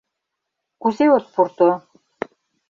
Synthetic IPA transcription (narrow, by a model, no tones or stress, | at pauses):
kuzeot̪̚puɾt̪o